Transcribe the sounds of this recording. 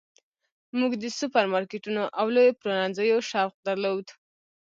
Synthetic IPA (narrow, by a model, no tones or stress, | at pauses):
muɡd̪əsupaɾmɑɾkeʈunoʔawlojopɾonanzəjoʃaɾq̚d̪aɾlowd̪